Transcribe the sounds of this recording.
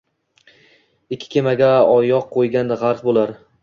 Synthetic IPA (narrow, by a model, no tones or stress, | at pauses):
ɪkʲʰːɪ̥kʲʰe̞maɡʲaɒjɒq̚qʰːojɡʲand̪aʁaɾt̪bolaɾ